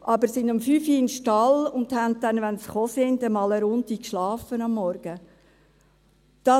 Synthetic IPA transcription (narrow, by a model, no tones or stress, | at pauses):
ʔɑbəɾsɪndɑmfyːfiɪnʃtɑlʊnd̪hæntɛnʋɛnsχoːsɪndəmɑːləɾʊntikʃlɑːfənɑmːɔɾɡ̥ə | d̥ɑ